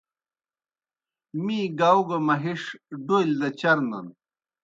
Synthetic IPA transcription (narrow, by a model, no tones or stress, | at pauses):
miːɡawɡɐmɐɦiʂɖojld̪ɐt͡ɕɐɾnɐ̰n